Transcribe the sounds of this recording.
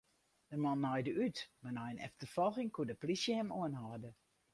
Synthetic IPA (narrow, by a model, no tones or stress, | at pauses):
d̥əmɑnːɔjdəʔytmanɔjənɛ̰ftərfɔlˠxɪŋkuədəplisjəhɛmoənhɔdə